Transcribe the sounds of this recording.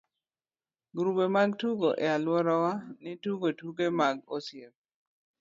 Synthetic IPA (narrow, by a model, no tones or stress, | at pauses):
ɡɾubemaɡtuɡoʔɛalwɔɾɔwanɪtuɡotuɡemaɡosjep̚